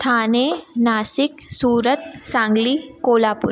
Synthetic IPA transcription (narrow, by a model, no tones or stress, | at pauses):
t̪ʰanenasiksuːɾət̪sãŋɡliːkolapṵɾ